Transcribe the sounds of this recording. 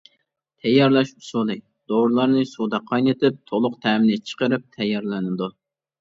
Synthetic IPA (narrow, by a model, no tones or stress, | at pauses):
t̪ʰɛjːɑɾlˠɑʃusulˠɨ | d̪̥owɾlˠɑɾnɨsud̪ɑqʰɑjnɨt̪ʰɪp̚t̪ʰolˠʊqt̪ʰɛːmɪnɪt͡ʃʰə̥qəɾɨp̚t̪ʰɛjːɑɾlˠɛnɨd̪u